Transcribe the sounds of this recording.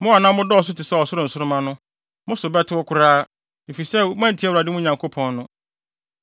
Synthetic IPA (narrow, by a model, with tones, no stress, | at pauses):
mʊ̃˦a˨nã˦mʊ̃˦dɔː˦ɔ˨s̬ʊ˦tʰɪ˨sɛ˦ɔ˨sʊ˦ɾʊ̃˦˨n̩˨sʊ˦ʊ˦mã˦nʊ̃˦ | mʊ̃˦sʊ˨bɛ˦tʰɪ˦wɔ˦kʰʊ˨ɾaː˦ | ni˨fi˨sɛ˦m˦ã˦n̩˨tʰi˨˦ɛ˦wɾa˨dɪ˦mʊ̃˦˨ɲã˨ŋkʰo˦pʰɔ̃˨nːʊ̃˦